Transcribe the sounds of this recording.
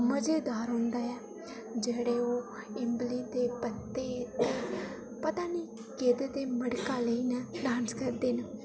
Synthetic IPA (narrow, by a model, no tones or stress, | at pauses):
məd͡ʒeːd̪aːɾɦõːnd̪aːɛː | d͡ʒeːɽeːoː | ɪmbliːd̪eːpət̪ːeːt̪eː | pət̪aːniː | keːd̪eːd̪eːməɽkaːləiːnɛːɖaːnskəɾd̪eːnə